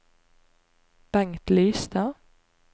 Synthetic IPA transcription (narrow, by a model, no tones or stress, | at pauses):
b̥ɛŋt̪lyːst̪ɑ